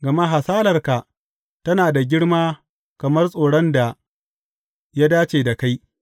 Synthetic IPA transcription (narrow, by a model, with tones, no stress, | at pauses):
ɡɐ˨ma˦ɦa˨saː˦lɐ˨rka˨ | tɐ˦naː˨da˨ɡʲɪ˦ɽmaː˦ | kɐ˨mɐ˦rsʼoː˨ɽɔ˦nda˨ | ja˦daː˦t͡ʃeː˨da˨ka˦j